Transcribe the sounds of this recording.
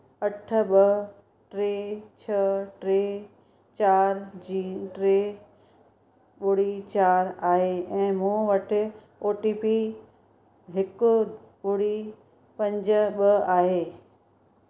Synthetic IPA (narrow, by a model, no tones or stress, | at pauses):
ɐʈʰə̆ɓɐ | ʈɾeːt͡ɕʰɐʈɾeː | t͡ɕaːɾd͡ʑiːʈɾeː | ɓʊɽit͡ɕaːɾaːɦeːɛ̃ːmũːʋɐʈʰɪ | oːʈiːpi | ɦɪkʊ | ɓʊɽi | pɐ̃ɲd͡ʑəɓɐaːɦeː